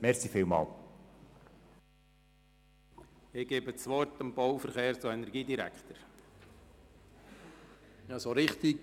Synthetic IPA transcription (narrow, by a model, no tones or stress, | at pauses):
mɛɾsifiːlmɑ̰ːl | ɪɡ̥eːbət͡sʋɔɾtəmb̥ɔwfəɾχeːɾt͡suɛnɛɾɡiːdiɾæ̰kχt̪əɾ | jɑsoːɾɪχt̪iɡ